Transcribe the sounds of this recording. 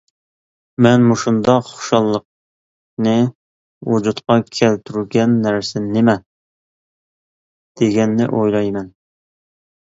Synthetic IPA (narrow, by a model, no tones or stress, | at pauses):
mɛnmuʃund̪ɑχʊ̥ʃɑlˠːəq̚ | nɨ | wud͡ʒut̪qɑkʲʰælt̪ʰyɾyɡʲɛnːæɾsɪnnemɛ | d̪̥eɡʲɛnːɪ̰ʔojlˠɑjmɛn